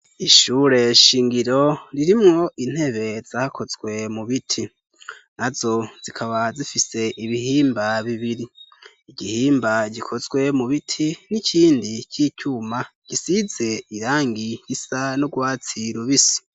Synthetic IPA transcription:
iʃuːɾe̞ʃiːŋɡiɾo̞ɾiɾimŋo̞ʔin̥he̞βe̞zakʰo̞zɡwe̞muβitʰi | nazo̞z̥ikʰaβazifise̞ʔiβiɦiːmbaβiβiɾiː | ɟihiːmbaɟikʰo̞zɡwe̞muβitʰinicʰiːndicʰiːcumaɟ̥isize̞iɾaːŋɡijisanoɡwaːt͡siɾuβisi̥

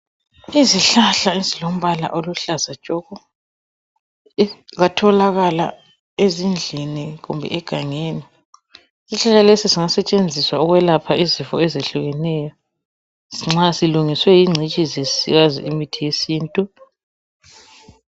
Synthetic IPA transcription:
iziɬaɬaizilom̩βala̰ʔoluɬazḁt͡ʃʼɔːɣɔ | ɣatʰɔlaɣala̰ | ezind͡ɮʱiniɣumbʱɛ̰ʔɛɡ̥ʱaŋeːni | isiɬaɬalesisiŋasɛt͡ʃʼend͡zʱiswauɣwɛlapʰaizifɔɛzeɬuɣɛnɛːjɔ | siŋ͡ǁasiluŋiswɛjiŋ͡ǀʱit͡ʃʼizesḭɣazḭimitʰijesiːntʼu

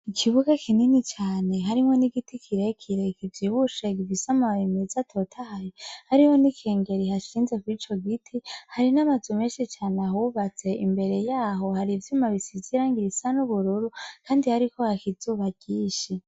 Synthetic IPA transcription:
ikʰiβuɡakininit͡ʃaːne̞ɦaɾimwo̞niɡitikʰiɾe̞kʰiɾe̞kʰivjiβuʃeɡivisamaaβimezatʰo̞tʰahajohaɾiho̞nikʰe̞ːŋɡe̞ɾihaʃiːnze̞kuwit͡ʃo̞ɡitʰihaɾinamazume̞ːʃit͡ʃaːneaɦuβat͡se̞ʔimbe̞ɾe̞jaːɦo̞haɾivjumaβisiziɾaŋɡiɾisanuβuɾuɾukaːndihaɾiko̞hakizuːβaɟ̥iːʃi

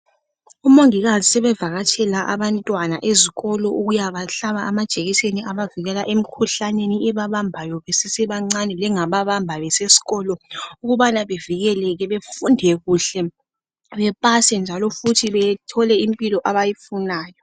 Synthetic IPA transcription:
umoŋiɣazisɛβɛvaɣatʰɛlaʔaβantʼwanaʔeziɣɔlɔʔuɣujaβaɬaβaamad̥ʒ̥ʱeɣiseniʔaβaviɣɛlaʔem̩kʰuɬaneniɛβaβambʱajɔβesisɛβaŋ͡ǀanɛlɛŋaβaβambʱaβɛsesi̥ɣɔlɔuɣuβanaβeviɣɛlɛɣɛβefundʱɛɣuːɬɛ | βɛpʼasɛnd͡ʒʱalɔfutʰiβɛtʰɔlɛimpʼilɔʔaβajifunaːjɔ

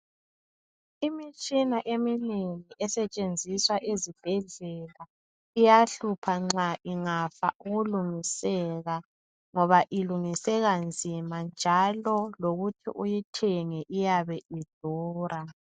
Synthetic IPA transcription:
imit͡ʃʼinaʔemineŋiʔɛsɛt͡ʃʼend͡zʱiswaʔezib̥ʱɛɮɛla | ijaɬupʰaŋ͡ǁaʔiŋafa̰ʔuɣuluŋisɛɣa | ŋɔβaʔiluŋisɛɣand͡zʱimand͡ʒʱalɔloɣutʰḭʔujitʰɛŋɛʔijaβɛid̥ʱuːrʔa

